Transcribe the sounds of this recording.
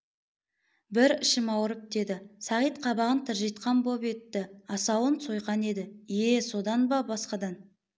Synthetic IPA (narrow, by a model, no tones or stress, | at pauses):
bɪɾɪʃɪmɑwɾəp̚d̪e̞d̪ɪsɑʁijt̪qʰɑbɑʁənt̪ʰɪɾʒɑjt̪qɑnbope̞t̪ːɪɑsɑwənso̞jqɑne̞d̪ɪjeso̞d̪ɑnbɑbɑsqɑd̪ɑn